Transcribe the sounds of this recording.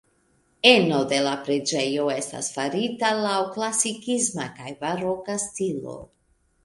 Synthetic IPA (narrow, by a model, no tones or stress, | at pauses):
e̞no̞de̞lapɾe̞d͡ʒe̞jo̞e̞sta̰sfaɾitalawklasikizmakajvaɾo̞kastilo̞̰